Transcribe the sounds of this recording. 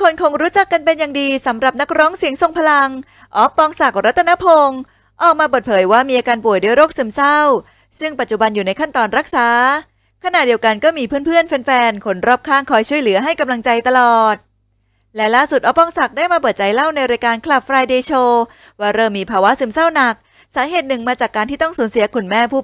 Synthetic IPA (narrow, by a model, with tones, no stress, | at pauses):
kʰo˧nkʰo˧ŋɾuː˦˥t͡ɕa˨˩kːa˧npe˧njaː˨˩ŋdiː˧sa˩˦mɾa˨˩p̚na˦˥k̚ɾɔː˦˥ŋsi˨˩˦əŋso˨˩ŋpʰa˧la˧ŋ | ʔɔː˦˥pːɔː˧ŋsa˨˩k̚ɾa˦˥t̪ʰːna˦˥pʰo˧ŋ | ʔɔː˨˩k̚maː˧p̬ɤː˨˩t̪̚pʰɤː˩˦jwaː˥˩miː˧ʔaː˧kaː˧npu˨˩jdu˧˩əjɾoː˥˩k̚sɯ˨˩˦msa˥˩w | sɯ˥˩ŋpa˨˩t̪̚t͡ɕu˨˩ba˧njuː˨˩na˧jkʰa˥˩nt̪ɔː˧nɾa˦˥k̚saː˨˦ | kʰa˧na˨˩t̚di˧əwka˧nkɔː˥˩miː˧pʰɯː˥˩ənpʰɯ˥˩ənfe˧nfɛː˧nkʰo˨˧˥nɾɔː˥˩p̚kʰaː˥˩ŋkʰɔː˧jt͡ɕʰu˥˩əjlɯ˩˦ɐɦa˥˩jka˧mla˧ŋt͡ɕa˧jt̪a˧lɔː˨˩t̪̚ | lɛ˦˥laː˥˩su˨˩t̪̚ʔɔː˦˥pːɔː˧ŋsa˨˩k̚daː˥˩jmaː˧pɤː˨˩t̪̚t͡ɕa˧jla˥˩wna˧jɾaː˧jkaː˧nkʰla˨˩p̚fɾaː˧jdeː˧t͡ɕʰoː˧ | waː˧˩ɾɤː˧miː˧pʰaː˧wa˦˥sɯ˩˦msa˥˩wna˨˩k̚ | saː˩˦ɦeː˨˩t̪̚nɯ˨˩ŋmaː˧t͡ɕaː˨˩kːaː˧nt̪iː˥˩t̪ɔ˥˩ŋsuː˨˩˦nsi˩˦kʰu˧˩nmɛː˥˩pʰuː˥˩